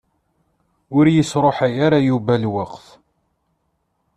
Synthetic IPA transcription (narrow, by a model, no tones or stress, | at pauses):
ʊɾjəsɾˤoħajaɾajuvælwaqθ